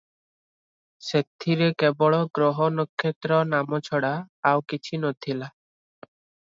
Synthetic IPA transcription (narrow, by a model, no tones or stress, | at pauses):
set̪ʰːiɾekebɔɭɔɡɾɔɦɔnɔkʰːet̪ɾɔnamɔt͡ʃʰɔɽaːwkit͡ʃʰinɔt̪ʰila